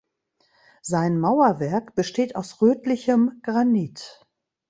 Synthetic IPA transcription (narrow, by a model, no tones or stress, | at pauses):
z̥aɪnmaʊɐvɛɐkb̥əʃteːtaʊsʁøːtlɪçəmɡ̥ʁaniːt